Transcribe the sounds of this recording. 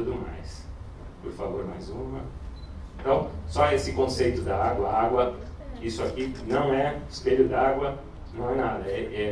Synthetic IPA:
t̪ud̪ʊmajs | poɾfavoɾmajzũmɐ̃ | t̪ɐ̃w̃sɔesɪkõsejt̪ʊd̪ɐaɡwɐaɡwɐ | isʊakinɐ̃w̃ɛspeʎʊd̪aaɡwɐ | nɐ̃w̃ɛnad̪ɐɛʔɛ

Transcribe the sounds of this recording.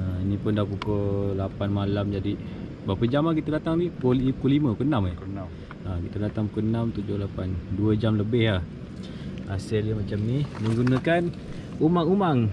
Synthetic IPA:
inĩpʊndapukolapanmalamd͡ʒadi | bapəd͡ʒamahk̬it̪adat̪aŋnikoiukolimə̃ukonami | akit̪adat̪aŋpukoənamt̪ud͡ʒʊhlapanduəd͡ʒamləbɪhlah | aseliəmat͡ʃamnimə̃ŋɡunə̃kan | umaŋumaŋ

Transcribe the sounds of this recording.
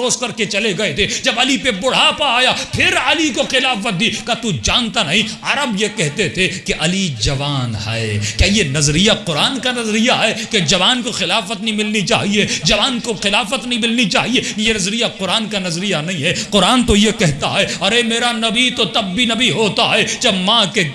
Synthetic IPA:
oːskɐɾket͡ʃɐleɡɐet̪ʰed͡ʒɐbɐlipebʊɽ̤apaaːjapʰɪɾɐlikoxɪlaːf̬ət̪̚d̪iːkat̪ud͡ʒãːnt̪anɐɦĩaːɾəbjekɛɦt̪et̪ʰekeʔɐlid͡ʒɐʋaːnɦa̰ekjaːjenɐzɾijaqʊɾaːnkanɐzɾijaɦɛːked͡ʒɐʋaːnkoxɪlaːfət̪nɐɦĩmɪlnit͡ʃa̰ːɦied͡ʒɐʋaːnkoxɪlaːfət̪nɐɦĩmɪlnit͡ʃaːɦiekejenɐzɾijaqʊɾaːnkanɐzɾijanɐɦĩɦɛqʊɾaːnt̪ojekɛɦt̪aɦɛɐɾemeːɾanɐbit̪ot̪ɐbːinɐbʱiɦoːt̪aɦɛːd͡ʒɐbmãːke

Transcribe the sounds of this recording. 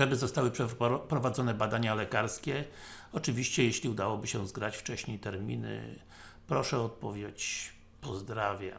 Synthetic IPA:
ʐɛbɘzɔst̪awɘpʂpɾɔvad̪zɔnɛbad̪aɲalɛkaɾskʲɛɔt͡ʂɘvʲiɕt͡ɕɛjeɕlʲiud̪awɔbɘɕɛzɡɾat͡ɕft͡ʂɛɕɲejt̪ɛɾmʲinɘ̰ | pɾɔʂɛɔt̪̚pɔvʲjet͡ɕ | pɔzd̪ɾavʲja

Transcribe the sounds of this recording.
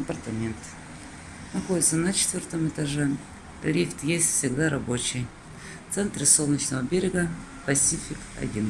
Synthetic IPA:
ɐpɐrt̪ɐmʲent̪ | nɐxo̞dʲɪt̪sənət͡ɕɪt̪vʲort̪əmɨt̪ɐʐɛ | lʲift̪jesʲtʲfsʲɪɡd̪aɾɐbo̞t͡ɕɪj | ft̪sɛnt̪ɾʲɪsolˠnʲət͡ɕnəvəbʲeɾʲɪɡə | pɐsʲifʲɪkɐ̰dʲin

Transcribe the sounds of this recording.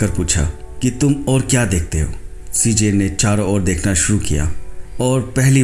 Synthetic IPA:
əɾpuːt͡ʃʰa̰kit̪ʊmɔːɾkjaːd̪eːk̚ʰt̪eɦo̰ːsiːd͡ʒeːnet͡ʃaːɾaɔːɾd̪eːkʰnaʃʊɾukija̰ːɔːɾpɛɦli

